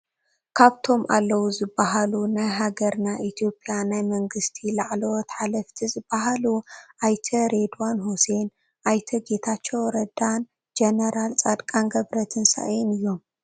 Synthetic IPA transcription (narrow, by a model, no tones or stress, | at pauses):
kʰaβt̪ʰo̞mʔa̰lːɐwuzɨbːaɦalunajɦaɡɐɾnaʔit̪ʰjo̞pʼːjanajmɐŋɡɨst̪ʰilaʕlowt̪ħalɐft̪ʰizɨb̥ːaɦaluʔajt̪ʰɐɾed̪uanhuse̞n | ʔajt̪ʰɐɡe̞t̪ʰat͡ʃːowɾɐd̪an | d͡ʒenɐɾalt͡sʼad̪kʼanɡɐβɾɐt̪ʰɨnsa̰ʔjinɨjːo̞m